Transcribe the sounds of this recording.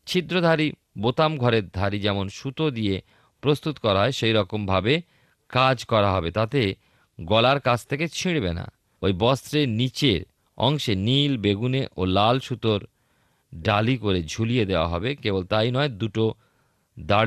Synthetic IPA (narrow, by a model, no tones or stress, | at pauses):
t͡ɕʰid̪ɾod̪ʱaɾi | bot̪amɡʱɔɾeɾd̪ʱaɾid͡ʑɛmonʃut̪od̪ije | pɾost̪ut̪kɔɾaɦɔeʃejɾɔkombʱabe | kad͡ʑkɔɾaɦɔbet̪at̪e | ɡɔlaɾkat͡ɕʰt̪ʰeket͡ɕʰiɽ̃bena̰ | ojbɔst̪ɾenit͡ɕeɾ | ɔ̰ŋʃenilbeɡuneʔolalʃut̪oɾ | ɖalikoɾed͡ʑʱulied̪eoa̰ɦɔbekebolt̪ajnɔed̪uʈo | d̪aɽ